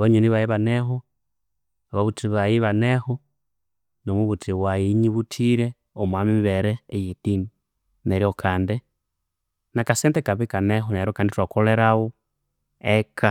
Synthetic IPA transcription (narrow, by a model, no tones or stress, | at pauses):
βoɲuniβajiβaneɦo | aβaβutiβajiβaneho | nomuβutiwajiɲiβutʰiɾe | omwamiβeɾɛːjitini | neɾiokʰaːnde | nakasɛntekaβikaneɦoneɾiokanditwakoleɾawo | ekʰa